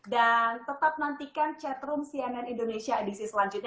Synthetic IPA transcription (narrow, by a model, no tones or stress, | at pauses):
dant̪ət̪ap̚nant̪ikant͡ʃɛt̪ɾʊmsiananindonesiaːdisisəlaɲd͡ʒʊt̪̚ɲ